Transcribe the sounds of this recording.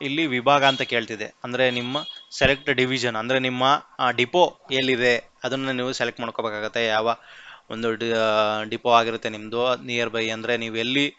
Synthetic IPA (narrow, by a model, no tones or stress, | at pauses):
ilːiʋibʱaːɡɐːnt̪ɐke̞ːɭt̪id̪e̞ɐnd̪ɐɾe̞nimːɐselek̚ʈɖiʋid͡ʒɐnɐnd̪ɐɾe̞nimːɐɖipoelːid̪e̞ɐd̪ɐnːɐniːʋuselek̚ʈmaːɽ̚kːobeːkaːɡut̪ːe̞jaːʋɐond̪uɖɖipoaːɡiɾut̪ːe̞nimd̪uniːjɐɾbʱɐjɐnd̪ɐɾe̞niːʋuelːi